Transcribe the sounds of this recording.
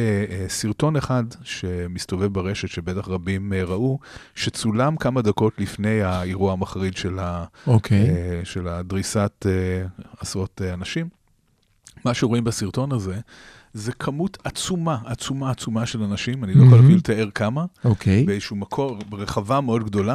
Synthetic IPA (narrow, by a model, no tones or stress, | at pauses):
esiʁto̞neχadʃe̞mist̪o̞ve̞vbeʁe̞ʃetʃebetaχʁabimeʁaʔuʃet͡sulamkamadako̞tlifne̞jaiʁuaamaχʁidʃe̞laokʰejʃeladʁisateasʁo̞teanaʃimː | aʃeʁoimbesiʁto̞naze̞ | zekʰamutat͡sumaːt͡sumaːt͡sumaʃe̞lanaʃimanilojχoalafilt̪aeʁkamaokʰebeezʃumakʰo̞beʁeχavameo̞d̪ɡdo̞la